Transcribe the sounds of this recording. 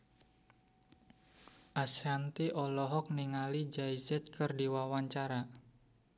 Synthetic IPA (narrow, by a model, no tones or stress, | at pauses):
ʔasant̪iʔɔlɔɦɔk̚niŋalid͡ʒaizɛt̪̚kɨrdiwawaɲt͡ʃaɾa